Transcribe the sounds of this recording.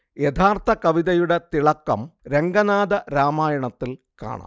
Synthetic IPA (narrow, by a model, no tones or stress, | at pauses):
jet̪ʰaːrt̪ʰɐkɐʋiðɐjuɽe̞t̪iɭɐkːɐmɾe̞ŋɡɐnaːd̪ɐɾaːmaːjɐɳɐt̪ːil | ka̰ːɳa̰ːm